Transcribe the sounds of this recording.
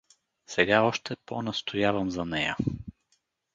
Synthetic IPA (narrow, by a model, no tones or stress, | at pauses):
sɛɡaɔʃt̪ɛponɐst̪ʰojavəmzɐnɛjə̰